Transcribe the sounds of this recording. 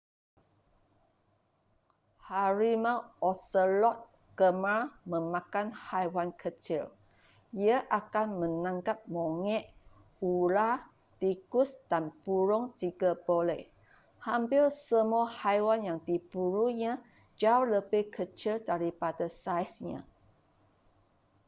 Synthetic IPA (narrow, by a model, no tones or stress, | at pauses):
haɹimaɔsəlɔt̪̚ | ɡ̥əmamə̃mãkanhajwankʰət͡ʃil | iaʔakanmə̃nãŋkap̚mõŋɛʔ | ula | t̪ikusd̥anpuɾʊŋtiɡabolɛh | hampilsəmuahajwanjaŋdibuɾuɲã | d͡ʒauləbɪhkʰət͡ʃildaɾipadasajsɲã̰